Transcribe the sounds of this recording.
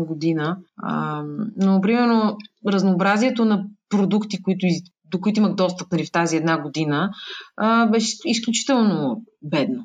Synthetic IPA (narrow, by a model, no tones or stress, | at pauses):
ɡod̪inəə̰mnopɾimɛɾnoɾəznoːbɾaziɛt̪onɐpɾod̪ukt̪ikoit̪ʊi | d̪okoit̪oʊiməxd̪ɔst̪əp̚nɐlift̪aziɛd̪naɡod̪inəəbɛʃɛis̬klʲut͡ʃi̥t̪ɛlˠnobɛd̪no